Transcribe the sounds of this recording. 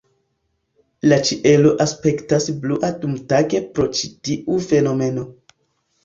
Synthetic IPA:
lat͡ʃiʔe̞lo̞ʔaspe̞ktasbluʔatumtaɡe̞pɾo̞t͡ʃitiʔufe̞no̞me̞no̞

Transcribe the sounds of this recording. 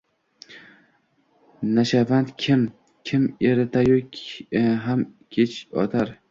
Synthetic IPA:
naʃavand̪kʲʰɪm | kʲʰɪmeɾɪt̪ʰajokʲɦamkʲʰet͡ʃʰɒ̰t̪ʰaɾ

